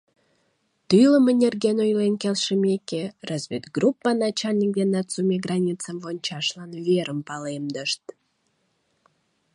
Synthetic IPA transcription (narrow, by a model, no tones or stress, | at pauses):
t̪ɨjləmənʲerɡenojlenkelʃəmekerozβʲet̪ɡrupːənɑt͡ɕɑlʲnʲik̚d̪enɑt̪sumʲeɡrɑnʲit͡səmvonʲt͡ɕɑʃlɑnveɾəmpɑlemd̪əʃt̪